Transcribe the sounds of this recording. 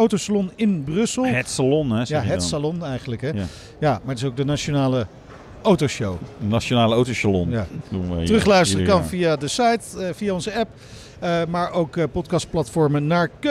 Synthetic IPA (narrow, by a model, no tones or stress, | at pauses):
owtosalɔnɪnbrɵsəlˠɛtsalɔnɛjaɦɛtsalɔnɛjχənləkɦɛ | jaːmaːɹətɪs̬owɡ̚dənaʃonaːlə | owtoʃowənaʃonaːləowtosalɔ̰njaːduərɵχlœɥstərəkɑnvijaːdəsajtvijaɔnzəɛp | maːɹʔowkəpɔtkɑst̚plɑtfɔɹmənaːɹk